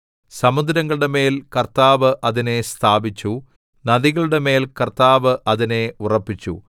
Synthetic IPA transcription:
sɐmud̪ɾɐŋːɐɭɨɽe̞me̞ːlkɐrt̪aːʋɨʔɐðine̞st̪ʰaːbit͡ɕːu | nɐðiɣɐɭɨɽe̞me̞ːlkɐrt̪aːʋɨʔɐðine̞urɐpːit͡ɕːṵ

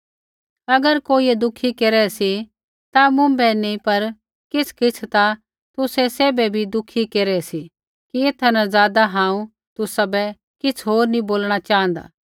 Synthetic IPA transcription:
ɐɡəɾkoːiɛd̪ʊkʰikeːɾɛsi | t̪amʊ̃mbɛnĩpɐɾ | kɪt͡sʰkɪt͡sʰt̪a | t̪ʊsɛseːbɛbʱid̪ʊkʰikeːɾɛsi | kieːt̪ʰanãzaːd̪aɦãːũ | t̪ʊsabɛ | kɪt͡sʰɦoːɾnĩboːlɽ̃at͡ʃaːɦə̃nd̪a̰ː

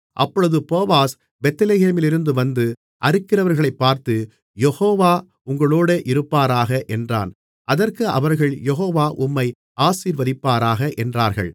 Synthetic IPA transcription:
ʔɐpːɔɭɯðɯpoːʋaːs | bɛt̪ːɐleɣeːmɪlɪɾɯnd̪ɯʋɐnd̪ɯ | ʔɐɾɯkːɪrɐʋɐɾɣɐɭɐɪpːaːɾt̪ɯ | jɛhoːʋaː | ʊŋɡɐɭoːɽeʔɪɾɯpːaːɾaːɣɐʔɛndra̰ːn | ʔɐðɐrkɯɐ̰ʋɐɾɣɐɭjɛɦoːʋaːʔʊmːɐɪ | ʔaːsiːɾʋɐðɪpːaːɾaːɣɐʔɛndraːɾɣɐ̰ɭ

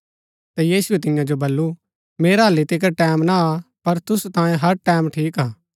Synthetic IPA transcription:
t̪ɛjiːsʊɛt̪ɪjãd͡ʒobɐlːu | meːɾaɐlːit̪ɪk̬ʈɛːmnaːpɐɾt̪ʊsut̪ãːjẽɦɐɾʈɛːmʈʰiːkaː

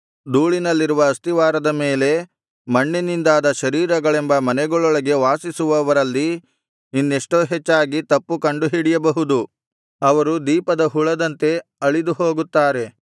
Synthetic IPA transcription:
d̪uːɭinɐlːiɾuʋɐːst̪iʋaːɾɐd̪ɐme̞ːle̞ | mɐɳːinind̪aːd̪ɐʃɐɾiːɾɐɡɐɭembɐmɐnɛɡɔɭɔɭɐɡe̞ʋaːsisuʋɐʋɐɾɐlːiː | nːeʂʈo̞ːɦet͡ʃːaːɡit̪ɐpːukɐɳɖuɦiɽijɐbɐɦud̪u | ɐʋɐɾud̪iːpɐd̪ɐɦuɭɐd̪ɐnt̪e̞ɐɭid̪uɦo̞ːɡut̪ːaːɾe̞

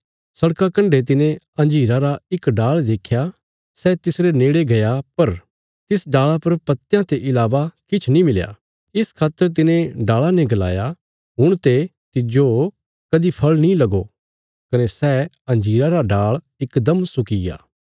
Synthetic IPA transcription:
sɐɽkakɐ̃ɳɖet̪̬ɪnẽ | ɐ̃nd͡ʒiːɾaɾaɪkɖaːɭd̪eːkʰja | sɛːt̪ɪsɾeneːɽeɡɐjapɐɾ | t̪ɪsɖaːɭapɐɾpɐt̪ːjãt̪eʔɪlaːʋakɪt͡ʃʰnĩmɪlja̰ː | ɪskʰaːt̪ːəɾt̪̬ɪnẽɖaːɭanɛ̃ɡɐla̰ːja | ɦʊɽ̃t̪e | t̪ɪd͡ʒo | kɐd̪ipʰɐɭnĩlɐɡo | kɐnesɛː | ɐ̃nd͡ʒiːɾaɾaɖaːɭ | ɪkd̪ɐmsʊkɪja̰ː

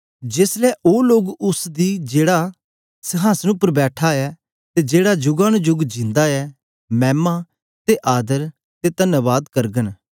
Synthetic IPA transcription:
d͡ʒeːslɛʔoːloːɡʊsd̪iːd͡ʒeːɽa | sɐɦaːsənʊpəɾbɛːʈʰaɛ | t̪ed͡ʒeːɽad͡ʒʊɡaːñd͡ʒʊɡd͡ʒɪ̃nd̪aɛ | mɛːma | t̪eʔaːd̪əɾ | t̪et̪ɐnəʋaːd̪kɐɾɡən

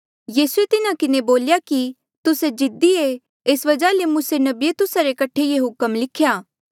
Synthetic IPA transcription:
jiːsuet̪ɪnakɪneboːljaki | t̪ʊsed͡ʒɪd̪ie | eːsʋɐd͡ʒalemʊːsenɐbijet̪ʊsaɾekɐʈʰːejeɦʊkəmlɪkʰjaː

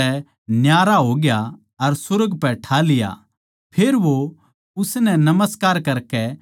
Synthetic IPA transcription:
ɛ | njaːɾaɦoːɡja | ɐɾsʊɾəɡpɛʈʰalɪja̰ | pʰeːɾʋo | ʊsnɛnɐməskaːɾkɐɾkɛ

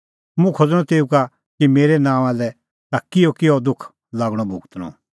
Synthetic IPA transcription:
mũkʰod͡zɽ̃ɔ̃t̪eːuka | kimeːɾɛnãːalɛ | t̪akːɪjɔkɪɔd̪ʊkʰ | laːɡɽ̃ɔbʱʊ̰ɡt̪nɔ̰̃

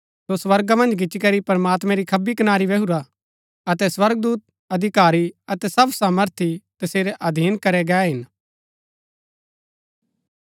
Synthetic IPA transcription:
sosʋɐɾɡamɐ̃nd͡ʒɡɪt͡ʃːikɐɾipɐɾmaːt̪mɛ̃ɾikʰɐbikɐnaːɾiʋɐɦuɾa | ɐt̪ɛswɐɾɡ̚d̪uːt̪̚ | ɐd̪ʱɪkaːɾiɐt̪ɛsɐbsaːməɾt̪ʰit̪ɐseːɾɛʔɐd̪ʱiːnkɐɾɛɡɛːɦɪn

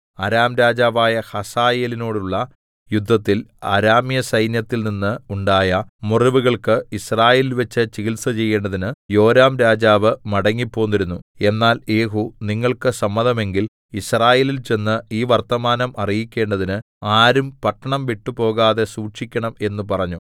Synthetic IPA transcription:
ɐɾaːmɾaːd͡ʑaːʋaːjɐhɐsaːjeːlino̞ːɽuɭːɐ | jud̪ʱːɐt̪ːilɐ̰ɾaːmjɐsɐjnjɐt̪ːilninːɨuɳɖaːjɐmuriʋuɣɐɭkɨisraːjeːlilʋɐt͡ɕːɨt͡ɕiɣilsɐt͡ɕe̞jːe̞ːɳɖɐðinɨjo̞ːɾaːmɾaːd͡ʑaːʋɨmɐɽɐŋːipːo̞ːnːiɾunːue̞nːaːljeːɦuniŋːɐɭkɨsɐmːɐðɐme̞ŋɡil | israːje̞ːlilt͡ɕe̞nːɨiːʋɐrt̪ɐmaːnɐmʔɐrijikʲːe̞ːɳɖɐðinɨ | aːɾumpɐʈːɐɳɐmʋiʈːupo̞ːɣaːðe̞suːʈʂikʲːɐɳɐme̞nːupɐrɐɲːu

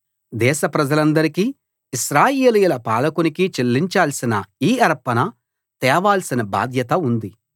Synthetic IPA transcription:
d̪ɛːʃɐpɾɐd͡ʒɐlɐnd̪ɐɾikiː | iʃɾaːjeːlujulɐpaːlɐkunikit͡ʃelːiɲt͡ʃaːlsinɐiːɐɾpɐnɐ | t̪ɛːʋaːlsinɐba̰ːd̪ʱjɐt̪ɐund̪i

